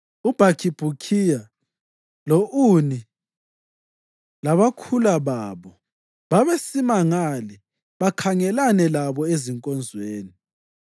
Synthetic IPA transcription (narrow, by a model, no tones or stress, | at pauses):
ub̥ʱakʰib̥ʱukʰija | loʔuni | laβakʰulaβaːβɔ | βaβesimaŋalɛ | βakʰaŋɛlanɛlaβɔeziŋkʼɔnd͡zʱweːni